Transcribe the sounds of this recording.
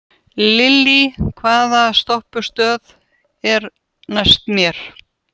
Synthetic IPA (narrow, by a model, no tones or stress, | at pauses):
lɪlːikʰvaːðast̪ɔhpʏ̥st̪œːð | ɛɾ | najst̪mjɛɾ̥